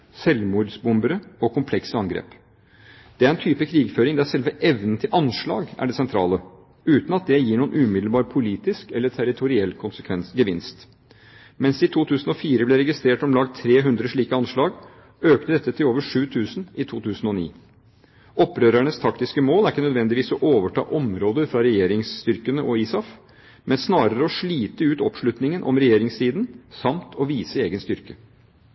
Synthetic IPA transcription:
sɛlmuːd̪sbʊmbəɾəɔkʰʊmpʰlɛksəɑŋɡɾḛːp | d̪̥ɛæɾɛnt̪ʰyːpəkʰɾiːɡføːɾɪŋd̪ɛæɾʂɛlʋəʔɛʋnən̩t̪ʰɪlʔɑnʂɭɑ̰ːɡæ̰ɖɛsɛnt̪ʰɾɑ̰ːlə | ʉːt̪n̩ɑt̪̚d̪ɛjiːɳuːənʔʉːmɪd̪l̩bɑːɾpʰʊliːt̪ɪskɛlːəʈʰæɾɪt̪ʰʊɾɪɛlːkʰʊnsəkʰʋɛnsɡəʋɪnst̪ | mɛnsɪt̪ʰuːt̪ʰʉːsn̩ɔfiːɾəblɛɾɛɡɪst̪ɾeːʈɔmlɑːɡt̪ʰːɾeːɦʉnd̪ɾəʂɭiːkəɑnʂɭɑːɡ | øːkt̪əd̪ɛt̪ːət̪ʰɪloːʋəʂʉːt̪ʰʉːsn̩ɪt̪ʰuːt̪ʰʉːsn̩ɔnḭː | ɔpːɾøːɾæɳəst̪ʰɑkt̪ɪskəmoːlæɾɪkːənœd̪ʋɛnd̪ɪʋiːsɔʔoːʋəʈʰɑ̰ːʔɔmɾoːd̪əɾfɾɑɾɛjeːɾɪŋst̪ʏɾkənəʔɔiːsɑf | mɛnsnɑːɾəɾəɔʂɭiːt̪əʉːt̪ɔpʂɭʉt̪nɪŋənʔɔ̰mɾɛjeːɾɪŋst̪iːd̪n̩sɑmt̪ʰɔʋiːsəeːɡənst̪ʏɾkə

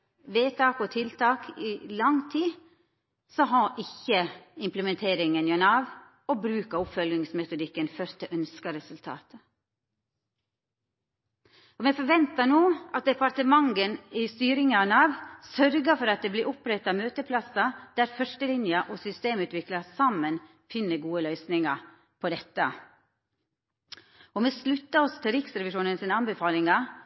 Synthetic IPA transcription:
ʋeːt̪ʰɑːkɔt̪ʰɪlt̪ʰɑːkʰiːlɑŋt̪ʰiː | sɔɦɑʔɪçəɪmpləmɛnt̪ʰeːɾɪŋənjɑnɑːʋ | oːbɾʉːkəɔpfœlnɪŋsmɛt̪ʊd̪ɪkːənfœɾt̪əʔœnskɑɾɛsʉlt̪ʰɑ̰ːt̪ə | ɔmɛfɔɾʋɛnt̪ɑnoːʔɑt̪̚d̪ɛpɑɾt̪əmɑŋɡənɪst̪yːɾɪŋɑnɑːʋsœɾɡəfɔɾɑt̪̚d̪eːbliːɾʔɔpɾɛt̪ːɑmøːt̪əpʰlɑsɑd̪̥æːɾfœʂʈəlɪnjəʔɔsʏst̪eːmʉːt̪ʋɪklɑsɑmən | fɪnːəɡuːəlœʏsnɪŋɑ | pʰɔd̪ɛt̪ːə | ɔmɛslʉt̪ːəɔsɔt̪ɪlɾɪksɾɛʋɪʂuːnənsɪnəɑnbɛfɑːlɪŋɑ

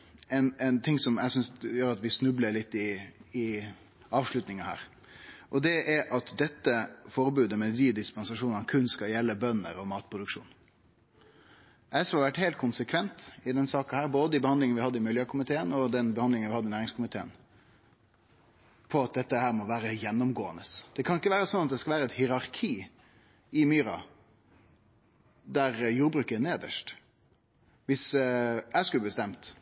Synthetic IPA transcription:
ɛɪnɛnt̪ʰɪŋsɔmæ̰ɪsʏnsjøːɾɑt̪ʋɪsnʉbləlɪt̪ːɪɪ | ɑːʋʂlʉt̪nɪŋəhæ̰ːɾ | ʔɔd̪ɛʔɛʔɑt̪d̪ɛt̪ːəfɔɾbʉːd̪əmɛʋiːd̪ɪspɛnsɑʂuːnnkʰʉnskɑjɛlːəbœnːə̰ɾɔmɑːt̪pʰɾʊd̪ʉkʂṵːn | ʔæɪsɑɾʋæʈːhɛɪlt̪̚kʰʊnsəkʰʋɛnt̪ɪd̪ɛnsɑːkɑhæːɾboːd̪əɪbəhɑnd̪lɪŋnəʋɪhɑd̪ːəɪmɪljøːkʰʊmɪt̪ʰeːənɔd̪ɛnbəhɑnd̪lɪŋnʋɪhɑd̪əɪnæːɾɪŋskʊmɪt̪ʰeːə̰n | pʰɔɑt̪̚d̪ɛt̪ːəhæːɾmɔʋæːɾəjɛnːʊmɡoːənəsd̪̥ɛkʰɑnɪkːəʋæːɾəsɔnɑt̪̚d̪ɛskɑlʋæːɾəɛt̪hɪɾɑɾkʰiː | ɪmyːɾɑ̰ | d̪æɾjuːɾbɾʉːkəneːd̪ə̰ʂʈ | ʋɪsæɪskʉlːəbəst̪ɛmt̪

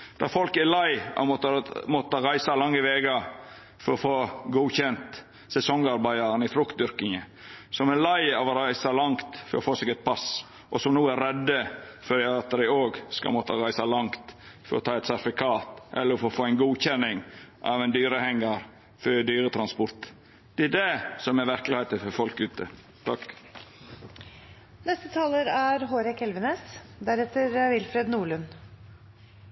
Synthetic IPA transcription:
d̪̥ɑ̰fɔlkɛɾlɑɪɑ̰mɔt̪mɔt̪əɾæɪsɑlɑŋːəʋeːɡə | fɔɾɔfoːɡuːçɛnt̪ | sɛsɔŋɑɾbæɪɑɾənɪfɾʉkt̪̚d̪ʏɾkɪŋə | sɔmɛlæɪɑʋɔɾæɪsɑlɑŋkt̪fɔɾɔfoːsɛːɡɛt̪̚pʰɑs | ʔɔsɔmnuːæɾɾɛd̪ːəfɔdɪɑt̪ːəɾɪoːɡskɑ̰lmɔt̪əɾæɪsɑlɑŋt̪fɔɾɔ̰t̪ʰɑːɛt̪sæt̪ɪfɪkʰɑːt̪ʔɛ̰lːəɾɔfoːfoːæɪnɡuːçɛnɪŋʔɑ̰ːʋɛnd̪yːɾəhɛŋːɑɾ | fœd̪yːɾət̪ʰɾɑnspɔɾt̪ | d̪̥ɛæɖɛsɔmɛɾʋæɾklɪheɪt̪əfɔɾfɔlkʉːt̪ʰə̰ | t̪ʰɑk | nɛst̪ət̪ʰɑːləɾæɾɦoːɾɛkɛlʋəneːsd̪æɾɛt̪ːəɾʋɪlfɾeːd̪nuːɭʉn

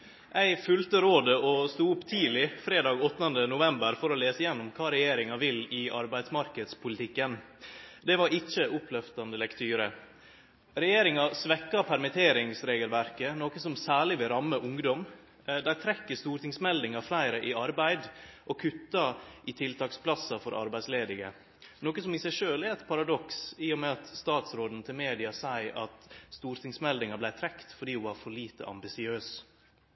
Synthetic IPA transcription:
ʔæɪfʉlt̪əɾoːd̪əɔst̪uːʊpːt̪ʰiːlɪfɾeːd̪ɑːɡɔt̪ːənd̪ənʊʋɛmbəɾfɔɾɔleːsəɪjɛnːʊmkʰɑːɾɛjeːɾɪŋɑʋɪlɪʔɑ̰ɾbæɪsmɑɾkəd̪spʰʊlɪt̪ʰɪkːən | d̪ɛʋɑɾɪt͡ʃːəʔʊpʰlœft̪ɑnd̪əlɛkt̪ʰyːɾə | ɾɛjeːɾɪŋɑsʋɛkːɑpʰæɾmɪt̪ʰeːɾɪŋsɾeːɡəlʋæɾkənoːkəsɔmsæːɭɪʋɪɾɑmːəʔʊŋd̪ɔm | d̪æɾt̪ʰɾɛkːəst̪uːɾʈ̪ɪŋsmɛld̪ɪŋɑflæɪɾəʔɪɑɾbæɪd̪ʔɔkʰʉt̪ːɑʔɪt̪ʰɪlt̪ʰɑːkspʰlɑsːɑfɔɾʔɑ̰ɾbæɪsleːd̪ɪɡə̰ | noːkəsɔmɪsæɪʂøːlɛɛt̪pʰɑɾɑd̪ɔksiːɔmɛɑt̪st̪ɑːt̪sɾoːd̪n̩t̪ʰɪlmeːd̪ɪɑsæɪʔɑ̰t̪st̪uːɾt̪ʰɪŋsmɛld̪ɪŋɑblæɪt̪ʰɾɛkt̪fɔɖiːʊʋɑɾfɔɭiːt̪ə̰ʔɑ̰mbɪsɪøːs

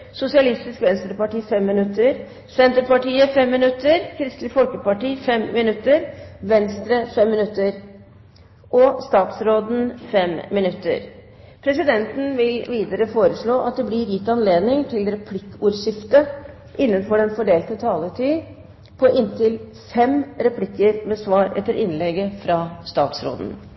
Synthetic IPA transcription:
sʊsɪɑlɪst̪ɪskʋɛnst̪ɾəpɑʈiːfɛmːɪnʉt̪ːəɾ | sɛnt̪əɾpɑʈiːəfɛmːɪnʉt̪ːəɾkʰɾɪst̪lɪfɔlkəpɑʈiːfɛmːmɪnʉt̪ːəɾʋɛnst̪ɾəfɛmːɪnʉt̪ːəɾ | ʔɔst̪ɑːt̪sɾoːd̪n̩fɛmːɪnʉt̪ːə̰ɾ | pʰɾɛsɪd̪ɛnt̪n̩ʋɪlʋiːd̪əɾəfoːɾəʂɭoːʔɑ̰t̪̚d̪ɛblɪɾjɪt̪ɑnleːd̪nɪŋt̪ʰɪlɾɛpʰlɪkːuːɾʂɪft̪ə | ʔɪnːənfɔɖɛnfɔɖeːlt̪ət̪ʰɑːləʈʰyː | pʰɔʔɪnt̪ɪl | fɛmɾɛpʰlɪkːəɾmɛsʋɑːɾɛ̰t̪ːəɾʔɪnlɛɡəfɾɑst̪ɑːt̪sɾo̰ːd̪n̩

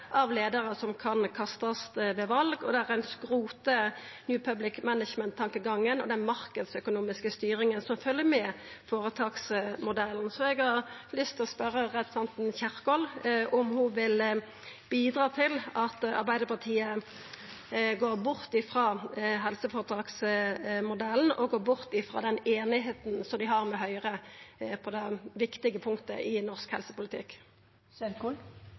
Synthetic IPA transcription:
ʔɑʋleːd̪əʁəsɔmkʰɑnkʰɑst̪ɑst̪ʋɛʋɑlɡɔd̪ɛæʁænskʁuːt̪ə | njʉːpʰœblɪkmænəʃmɛnt̪ʰːɑŋkəɡɑŋːənɔd̪ɛnmɑʁkəd̪sœkʊnuːmɪskəst̪yːɾɪŋənsɔmfœljəmɛfoːʁət̪ʰɑːksmʊd̪ɛln̩sɔɛɡhɑʁlʏst̪ʰɪlɔspœɾːəʁɛd̪sɑnt̪n̩çæʁkɔlʔɔmhʊʋɪl | b̥iːd̪ʁɑːt̪ʰɪlɑt̪ɑ̰ɾbæɪd̪əpɑʁt̪ʰiːə | ɡoːɾbʊʁt̪ɪfɾɑːɦɛlsəfoːɾət̪ʰɑːksmʊd̪ɛln̩ɔɡoːɾbʊʁt̪ɪfʁɑ̰d̪ɛneːnɪɦeːt̪nsɔmd̪ɪɦɑʁmɛɦœʏʁəpʰɔd̪ɛʋɪkt̪ɪɡəpʰʊŋkt̪ə̰ʔɪnɔʁskhɛ̰lsəpʊlɪt̪ʰɪ̰kː | søkul

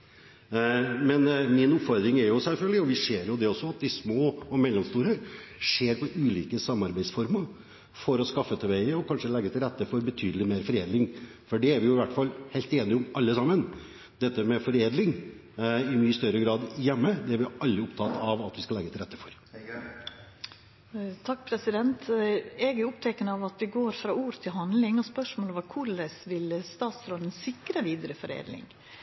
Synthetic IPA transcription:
mɛnmɪnʊpfɔɾd̪ɾɪŋɛɾjʊsɛlfœlɡ̪əlɪɔʋɪʂeːɾjʊd̪ɛɔsːɔɑt̪̚d̪ɪsmoːɔmɛlːɔmst̪uːɾəʂeːɾpɔʔʉːliːkəsɑmːɑɾbæɪsfɔɾməɾ | fɔɾɔskɑfːət̪ʰɛʋæɪəɔkʰɑnʂəlɛɡːət̪ʰɪlɾɛt̪ːəfɔɾbət̪ʰyːd̪əlɪmeːɾfɔɾeːd̪lɪŋ | fɔɖɛæɾʋɪjʊɪʋæʈːfɑlːhæɪlt̪eːnɪʊmɑlːəsɑmːən | d̪ɛt̪ːəmɛfɔɾeːd̪lɪŋ | ɪmyːəst̪œɾəɡɾɑːd̪jɛmːəd̪ɛæɾʋɪʔɑlːəʊpt̪ʰɑt̪ːɑʋɑt̪ʋɪskɑlɛɡət̪ɪɾɛt̪ːəfɔɾ | t̪ʰɑkːpʰɾɛsɪd̪ɛnt̪ɛɡɾʊʊpt̪ʰɛkənəɑʋɑt̪ʋɪɡoːɾfɾɑːuːɾət̪ʰɪlɦɑnd̪lɪŋɔspœʂmoːlɔʋəkʰʊɭəsʋɪlst̪ɑːt̪sɾoːd̪ən̩sɪkɾəʋiːd̪əɾəfɔɾḛːd̪lɪ̰ŋ

